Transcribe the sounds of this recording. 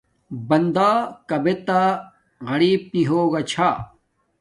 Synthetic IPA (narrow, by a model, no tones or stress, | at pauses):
bɐnd̪aːkɐbet̪a | ɣɐɽiːb̚niɦoːɡɐt͡ɕʰa